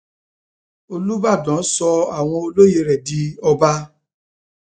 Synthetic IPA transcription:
o˧lu˦ba˦˨dã˨˦sɔ˧a˦˨w̃ɔ̃˧o˧lo˦je˧ɾɛ˨di˧˦ɔ˧ba˦

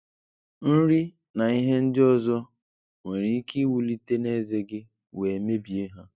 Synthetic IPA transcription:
n̩˦ɾi˦ | na˨i˦ɦe˦n̩˦dɪ˦ɔ˦zɔ˦ | ŋe˨ɾi˨˦ki˦wu˨li˦te˦ne˦˨ze˦ɡɪ˦ | we˨me˦bi˨e˦ɦa˦

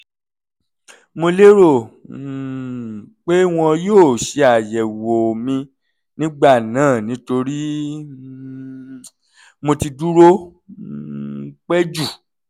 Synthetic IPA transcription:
mo˧le˦ɾo˦˨ | k͡pe˦w̃ɔ̃˧joː˦˨ʃe˧a˨jɛ˨wo˨mĩ˧ | nĩ˦ɡ͡ba˦˨nãː˨˦˨nĩ˨˦to˧ɾi˦ | mo˧ti˧du˦ɾo˦ | k͡pɛ˦d͡ʒu˦˨

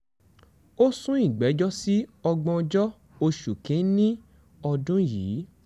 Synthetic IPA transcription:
o˦sũ˦ĩ˦˨ɡ͡bɛ˨˦d͡ʒɔ˦si˦ɔ˧ɡ͡bɔ̃˧d͡ʒɔ˦ | o˧ʃu˨kĩ˨˦nĩ˦ | ɔ˧dũ˦jiː˨˦

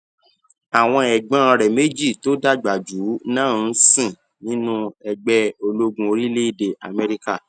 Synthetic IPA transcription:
a˨w̃ɔ̃˧ɛ˨ɡ͡bã˨˦˧ɾɛ˨me˦d͡ʒi˦˨to˦da˦ɡ͡ba˨d͡ʒu˨˦nãː˦˨˦sĩ˦˨ | nĩ˦nũ˦ɛ˧ɡ͡bɛ˦o˧lo˦ɡũ˦o˧ɾi˦le˦i˦˨de˨a̰˨mɛ˧ɾi˦ka˦˨

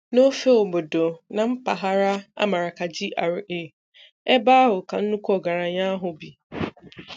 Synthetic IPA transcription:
no˦fe˦o˨bo˨do˨nã˨m̩˦pa˨ɦa˦ɾa˦a̰˦ma˨ɾa˨ka˨d͡ʑi˦ʔa̰˨ɾɪ˨ʔe˦˨ | ɛ˦baː˦ɦʊ˨ka˨n̩˦nũ˦kʷɔ˦ɡa˨ɾa˨ɲã˦ɦʊ˨bi˨

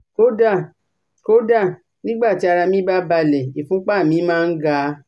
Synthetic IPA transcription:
ko˦da˦˨ | ko˦da˦˨ | nĩ˦ɡ͡ba˦˨ti˨˦a˧ɾa˧mĩ˦ba˦ba˧˨lɛ˨i˨fũ˨˦k͡pa˦˨mĩ˨˦mãː˦˧n̩˦ɡa˦

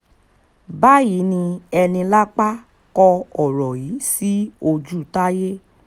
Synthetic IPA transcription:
ba˦ji˨˦nĩ˧ɛ˧nĩ˧la˦k͡pa˦ | kɔ˧ɔ˨ɾɔ˨ji˨˦si˦o˧d͡ʒu˦˨ta˦je˦

